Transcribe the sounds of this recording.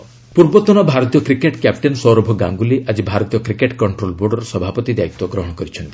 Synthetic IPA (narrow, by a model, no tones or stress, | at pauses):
puɾbɔt̪ɔnɔbʱaɾɔt̪ijɔkɾikeʈkjap̚ʈensɔɾɔbʱɔɡa̰ŋɡuliʔad͡ʒibʱaɾɔt̪ijɔkɾikeʈkɔɳʈɾolboɾɖɔɾɔsɔbʱapɔt̪id̪ait̪ːwɔɡɾɔɦɔɽ̃ɔkɔɾit͡ʃʰɔnt̪ii